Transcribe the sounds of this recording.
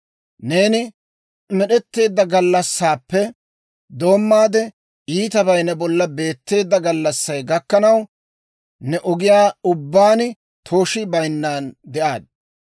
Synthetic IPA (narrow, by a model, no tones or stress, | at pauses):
ne̞ːnɪ | mɛɗɛt̪ːe̞ːd̪ːɐɡɐlːɐsːaːpːɛ | d̪o̞ːmːaːd̪ɛ | iːt̪ɐbɐjnɐbɔlːɐbe̞ːt̪ːe̞ːd̪ːɐɡɐlːɐsːɐjɡɐkːɐnɐw | nɛʔɔɡɪjaːʊbːaːnɪ | t̪ʰo̞ːʃɪbɐjnːaːnd̪ɛʔaːd̪̚